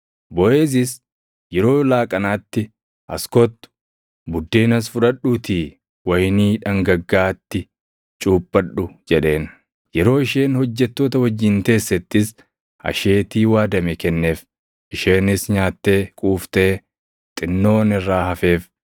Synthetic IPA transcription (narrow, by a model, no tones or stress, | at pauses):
bɔʔeːs̬ɪs | jɛɾo̞ːlaːkʼɐnaːt̪ːɪ | ʔɐ̰skɔt̪ːʊ̥ | bʊd̪ːeːnɐs̬fʊᶑɐᶑuːt̪iː | wɐjniːᶑɐŋɡɐɡːaːt̪ːɪ | t͡ʃʼuːpʼːɐᶑʊd͡ʒɛᶑe̞ːn | jɛɾo̞ːɪʃe̞ːnhɔd͡ʒːɛt̪ːo̞ːt̪ɐwɐd͡ʒːɪnk̪e̞ːsːɛt̪ːɪs | ɐ̰ʃeːt̪iːwaːd̪ɐmɛkɛnːe̞ːf | ʔɪʃe̞ːnɪsɲaːt̪ːe̞ːkʼuːft̪ɛ | t̪ʼɪnːo̞ːnɪrːaːhɐfe̞ːf